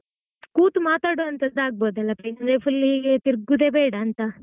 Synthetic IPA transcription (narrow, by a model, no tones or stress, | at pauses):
kuːt̪umaːt̪aːɽoɐnt̪ɐnd̪aːɡ̚boːd̪ɐlːɐpɐjnɐnepʰulːiːɡet̪iɾɡud̪eːbeːɽɐːnt̪ɐ